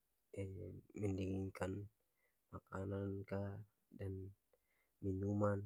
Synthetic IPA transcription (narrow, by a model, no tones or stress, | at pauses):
ɛməndiŋiŋkan | makananka | dan | minuman